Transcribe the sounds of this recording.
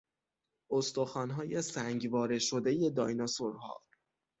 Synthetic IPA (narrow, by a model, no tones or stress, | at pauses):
ost̪oxɒːnɦɒːjesæŋɟvɒːɾe̞ʃo̞d̪e̞je̞d̪ɒ̰jnɒsoɾhɒ̰ː